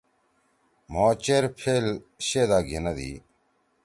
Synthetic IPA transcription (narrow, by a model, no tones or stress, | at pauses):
moːt͡ɕeɾpʰel | ɕed̪aːɡenɐd̪ḭː